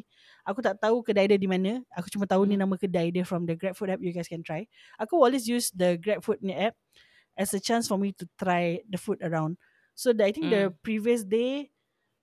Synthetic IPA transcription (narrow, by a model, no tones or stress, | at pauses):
ʔakut̪aʔt̪aukədaidədimãnə̃akut͡ʃumãt̪aunĩnãmãkədaidəfɹɔ̃mdəɡɹɛp̚fut̚ɛp̚juɡajskɛ̃nt̪ɾaj | akuɔlwes̬jusdəɡɹɛp̚fut̚ĩnəɛp̚ | ɛsət͡ʃãnsfɔmit̪ut̪ɾajdəfutəɹãw̃n | sodajt̪ĩŋk̚dəpɹiviəs̬de